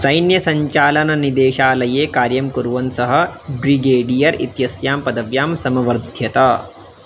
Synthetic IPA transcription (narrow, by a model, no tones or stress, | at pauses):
sɐjnjɐsɐɲt͡ʃaːlɐnɐnid̪eːʃaːlɐjeːkaːɾjɐmkuɾʋɐnsɐɦɐ̆bɾiɡeːɖijɐɾit̪jɐsjaːmpɐd̪ɐʋjaːmsɐmɐʋɐɾd̪ʱjɐt̪a